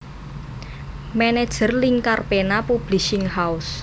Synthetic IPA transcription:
mɛnɛd̥ʒ̥ə̤rliŋkarpenapub̥lisɪŋhaʊs

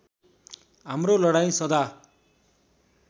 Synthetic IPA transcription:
ɦamrolʌɽaj̃sʌd̪a

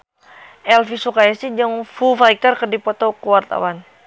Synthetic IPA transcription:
ʔɛlfisukajasid͡ʒəŋfufaikərkərdipɔt̪ɔkəwart̪a̰wan

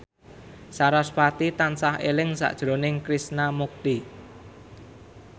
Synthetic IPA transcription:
saɾɔspat̪it̪ansahelɪŋsa̰ʔd̥ʒ̥ɾonɪŋkɾisnamuk̚t̪i

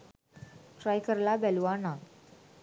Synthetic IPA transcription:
ʈɾajkəɾlabɛlʋana

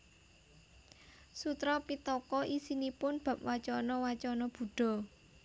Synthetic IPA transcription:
sut̪ɾɔpit̪ɔkɔʔisinipʊnb̥ä̤p̚wat͡ʃɔnɔwat͡ʃɔnɔb̥ṳɖ̥ɔ̤

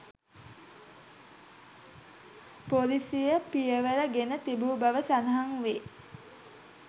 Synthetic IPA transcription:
polisijəpijəʋələɡenət̪ibuːbaʋəsanəɦaŋʋe

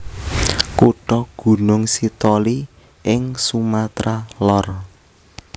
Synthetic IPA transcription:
kuɖ̥ɔɡ̥ṳnʊŋsit̪ɔli | ʔɪŋsumat̪ɾalɔr

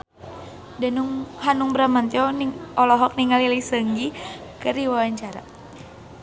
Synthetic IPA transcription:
danuŋhanuŋbəɾamant̪iɔniɔlɔɦɔk̚niŋalilisəŋɡikəriwawaɲt͡ʃaɾa̰

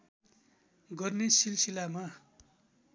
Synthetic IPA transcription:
ɡʌrnesilsilama

